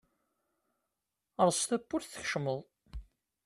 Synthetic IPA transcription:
əɾˤst̪æpːʊɾθə̥çʃməðˤ

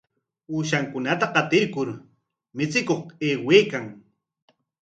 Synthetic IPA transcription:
uːʃaŋkʊnat̪aqɑt̪ɪɾkʊɾ | mɪt͡sɪkoχeːweːkaŋ

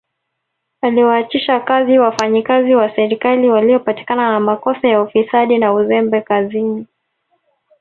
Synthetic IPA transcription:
aliwaːt͡ʃiʃakaziwafaɲikaziwasɛɾikaliwaliɔpati̥kananamakɔsajaufisaɗinauzɛmbɛkazini

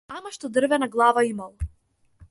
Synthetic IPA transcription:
amaʃt̪ɔd̪r̩vɛnaɡlˠavaimalˠ

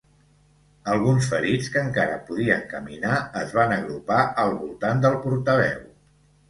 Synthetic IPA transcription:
əlˠɣ̞unsfəɾit͡skəŋkaɾə̰puðiəŋkəminaəzβanəɣɾupaʔəlˠβulˠt̪and̪əlˠpuɾt̪əβ̞ɛw

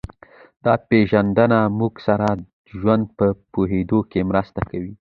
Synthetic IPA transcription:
d̪̥ɑpeʒand̪ənamuɡsaɾa | ʒwand̪̚pəpoɦed̪okemɾəst̪akawi

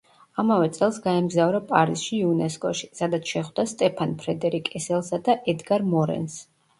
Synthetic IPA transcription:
amavɛt̪sʼɛlˠsɡaɛmɡzavɾapʼaɾisʃiːunɛskʼɔʃi̥sad̪at̪sʰʃɛχwd̪ast̪ʼɛpʰanpʰɾɛd̪ɛɾikʼɛsɛlˠsad̪aʔɛd̪ɡaɾmɔɾɛ̰ns

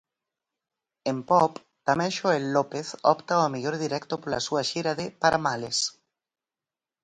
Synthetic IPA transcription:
empɔp | t̪amɛ̃ŋʃoelːopeθɔ̰pt̪aoameʎoɾðiɾɛkt̪opolasuaʃiɾaðepaɾamales

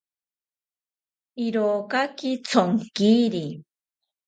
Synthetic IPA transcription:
iɾokakit͡sʰoŋkiːɾi

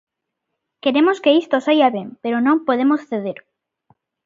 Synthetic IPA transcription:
keɾemoskeist̪osajaβeŋpeɾonõmpoðemosθeð̞eɾ

